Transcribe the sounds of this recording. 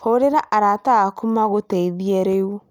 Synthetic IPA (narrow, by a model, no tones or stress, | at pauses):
hoɾeɾaʔaɾataakumaɣotɛiðiɛɾeu